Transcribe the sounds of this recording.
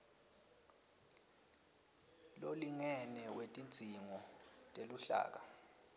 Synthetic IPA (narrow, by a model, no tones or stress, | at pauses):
loliŋɛnɛwetʼint͡sʼiŋɔtʼeluɬa̰ːk̬a